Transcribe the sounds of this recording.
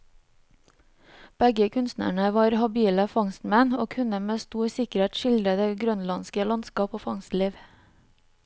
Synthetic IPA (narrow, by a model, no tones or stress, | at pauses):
b̥ɛɡəkʰʉnst̪næ̰ɳəʋɑːɾhɑbiːləfɑŋst̪mɛnoːkʰʉnəmeːst̪uːɾsɪkəɾheːt̪ʃɪld̪ɾəd̪eːɡɾœnlɑnskəlɑnskɑːpoːfɑŋst̪liːʋ